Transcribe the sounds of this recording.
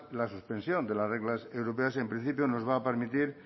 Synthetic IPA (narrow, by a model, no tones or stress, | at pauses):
lasuspe̞nsjo̞nd̪elasreɣlasewɾopeasempɾin̟θipjono̞zβ̞aːpe̞ɾmit̪iɾ